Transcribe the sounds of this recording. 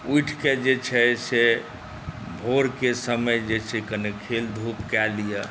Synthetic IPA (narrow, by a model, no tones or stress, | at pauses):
uiʈʰked͡ʒet͡ʃʰɛse | bʱoɾkesəməjd͡ʒet͡ʃʰekənekʰeld̪ʱupkɛlija